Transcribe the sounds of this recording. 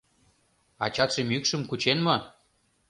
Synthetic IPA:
ɑ̰t͡ɕɑt̪ʃemykʃə̆mkut͡ɕenmo

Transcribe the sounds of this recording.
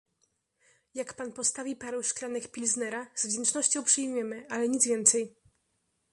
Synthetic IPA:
jakpanpɔst̪avʲipaɾɛwʂklanɛkpʲilznɛɾaz̥vd͡ʑɛnt͡ʂnɔɕt͡ɕɔ̃w̃pʂɘjmjɛmɘʔalɛɲid̪zvʲjɛnt̪sɛj

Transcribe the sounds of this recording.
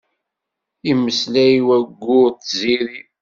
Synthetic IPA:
imːəslæwæɡʷːʊt̪ziɾi

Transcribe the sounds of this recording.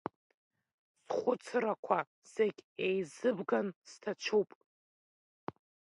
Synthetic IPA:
sχʷʊt͡sʰrakʷʰa | seɡʲejzɨbɡanstʰat͡ʃʷʰupʼ

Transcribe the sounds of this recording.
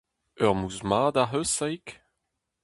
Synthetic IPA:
œʁmuzmaːd̪aɦøsajk

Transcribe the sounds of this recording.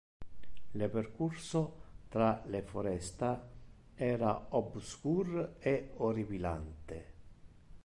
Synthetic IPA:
leperkursot̪ɾalefoɾɛst̪a | ɛːɾaobskuɾeoɾivila̰nt̪e

